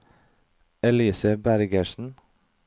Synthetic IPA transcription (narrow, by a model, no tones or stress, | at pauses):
ɛliːsəbæɾɡəʃn̩